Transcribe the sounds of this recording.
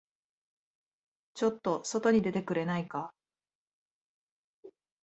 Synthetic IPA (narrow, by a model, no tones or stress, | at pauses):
t͡ɕo̞t̪ːo̞so̞t̪o̞ɲ̟id̪e̞t̪e̞kɯ̟ɾe̞naika